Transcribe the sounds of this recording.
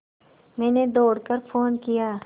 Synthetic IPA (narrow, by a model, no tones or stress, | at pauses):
mɛ̃ːned̪oːɽkəɾfʰoːnkijaː